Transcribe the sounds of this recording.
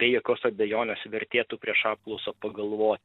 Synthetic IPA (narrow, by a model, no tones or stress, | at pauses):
bʲeɛjoːkʲoːsɐbʲɛjoːnʲeːsʋʲɛɾʲt̪ʲeːt̪uːpʲɾʲiɛʃɑːp̚klˠɔʊsoːpɐɡɐlˠʋoːt̪